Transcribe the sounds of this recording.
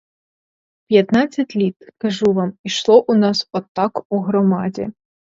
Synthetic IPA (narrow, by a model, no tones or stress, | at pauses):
pʲjat̪nat̪sʲːɐt͡sʲlʲit̪kaʐuvamiʂlˠɔʔunasɔt̪ːakuɣɾɔmad͡zʲɛ̰